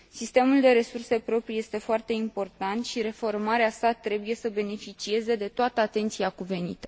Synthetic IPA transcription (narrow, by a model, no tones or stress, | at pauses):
sist̪e̞muld̪e̞ɾe̞surse̞pɾo̞pɾije̞st̪e̞foart̪e̞impo̞rt̪ant̪ʃiɾe̞fo̞rmaɾeasat̪ɾe̞buje̞səbe̞ne̞fit͡ʃie̞ze̞d̪e̞t̪oat̪əat̪e̞nt̪siakuve̞nḭt̪ə̥